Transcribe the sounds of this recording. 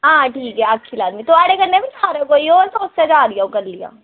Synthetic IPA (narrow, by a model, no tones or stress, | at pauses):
ɦãːʈʰiːkɦɛɐkʰːilaːd̪mit̪oaːɽekɐɾnebʱisʰaːɾekoːioːɾt̪oʊsːed͡ʒaːlijaõkɐɾlija̰ː